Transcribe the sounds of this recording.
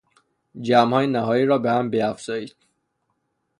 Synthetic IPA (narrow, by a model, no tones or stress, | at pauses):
d͡ʒæmhɒːjenæhɒːjiːɾɒːbehæmbeæfz̥ɒːjiːd̪̥̚